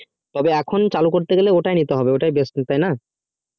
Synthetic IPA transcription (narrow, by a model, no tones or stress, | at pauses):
t̪ɔbeɛkʰont͡ɕalukoɾt̪eɡeleoʈajnit̪eɦɔbeoʈajbesnit̪ajna